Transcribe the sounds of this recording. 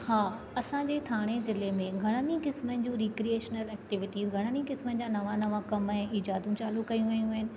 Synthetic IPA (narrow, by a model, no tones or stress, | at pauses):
haː | ɐsãd͡ʑeːt̪ʰaːɽ̃ezɪlemẽɡʱɐɽ̃ənĩkɪsmənɪ̆d͡ʑũːɾiːkɾieːʃnəlɛːk̚ʈɪʋɪʈiːzɡʱɐɽ̃ənĩkɪsmənɪ̆d͡ʑaːnɐʋãnɐʋãkɐmɛ̃ːʔiːd͡ʑaːd̪ũt͡ɕaːlukɐjũʋɐjũɦɪnɪ̆